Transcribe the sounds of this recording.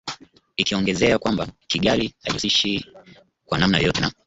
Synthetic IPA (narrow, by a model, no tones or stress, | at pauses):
ikiɔŋɡɛzɛakwambakiɠaliha̰ʄusiʃi | kwanam̩najjɔtɛna